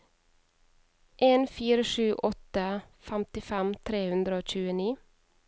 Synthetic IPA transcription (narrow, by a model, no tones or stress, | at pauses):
ʔeːnfiːɾəʃʉːʔɔt̪əfæmt̪ɪfæmt̪ʰɾeːhʉnd̪ɾəoːc͡çʉːəniː